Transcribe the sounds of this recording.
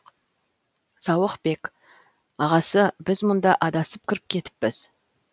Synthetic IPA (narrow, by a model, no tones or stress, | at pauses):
sɑwəqbe̞k | ɑʁɑsəbɪzmʊnd̪ɑʔɑd̪ɑsəp̚kʲʰɪɾɪp̚kʲʰe̞t̪ɪ̥pːɪz̥